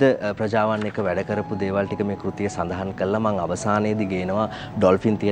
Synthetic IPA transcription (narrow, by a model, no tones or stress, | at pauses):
əprɐd͡ʒaːʋanːekəʋæɖəkəɾəpud̪eːʋalʈikəmeːkɾut̪ijəsand̪aɦankəɾlamaŋaʋɐsaːnəjəd̪iɡeːnəʋa | ɖɔlfint̪ijə